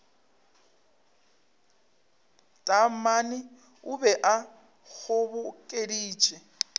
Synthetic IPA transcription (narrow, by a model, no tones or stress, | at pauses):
tʼam̩manɪ | ʊbɛʔa | ɣʊβʊkʼediːt͡ʃʼɛ